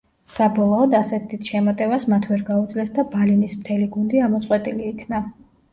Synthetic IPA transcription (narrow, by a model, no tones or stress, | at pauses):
sabɔlˠɔːd̪asɛt̪ʰːit̪ʰʃɛmɔt̪ʼɛvasmat̪ʰvɛɾɡaud̪zlɛsd̪abalinismt̪ʰɛliɡund̪iamɔt̪sʼqʼwɛt̪ʼiliːkʰna